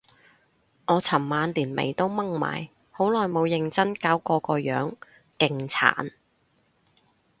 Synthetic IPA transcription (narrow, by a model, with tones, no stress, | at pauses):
ʔɔː˨˧t͡sʰɐ˨˩mmaː˨˧nliː˨˩nmḛ˨˩jt̪o˥wmɐ˥ŋma̰ː˨˩j | ho˨˥wlɔː˨˩jmo˨˧wjɪ˨˧ŋt͡sɐ˥nkaː˥wkɔː˧kɔː˧jœː˨˥ŋ | kɪ˧ŋt͡sʰa̰ː˨˩˨n